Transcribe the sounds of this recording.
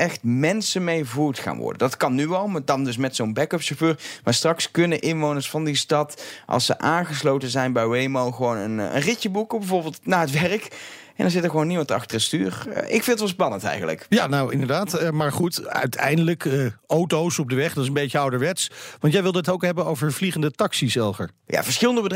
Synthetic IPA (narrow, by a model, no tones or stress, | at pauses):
ɛxtmɛnsənmejvuːtχa̰ːnʋɔ̰ɹdəndɑtkɑnːyɑlˠmdɑndɵs̬mɛtsownbɛkɔpʃoføːɹmaːɹstrɑkskɵnənʔɪnʋownəɹsfɑndistɑtʔɑ̰lˠsə̰ʔaːnχəslowtəzɛjnbɛjwejmowχəʋownənə̰nrɪcəbukəbɛvoːɹbɪːlˠtnaːɦətʋɛrəkʔɛndɑnzɪtəɹχəʋownːimɑntɑ̰xtərəsty̰ːrʔɪkfɪndətʋɑspɑnə̃ntɛ̰jχənlə̰kjanawɪ̰ndəɹdaːtːmaːɹχutœ̰ɥtʰɛ̰jndələkəowtowsɔb̚dəʋɛχdɑtɪsəmbejəɑwdəɹʋɛtsʋɑnt̬jɛjʋɪlˠdəətowkɦɛbənowvəɹvliχəndətɑksisɛlˠvəɹ | ja̰ːv̥əɹsχɪlˠəndəbəd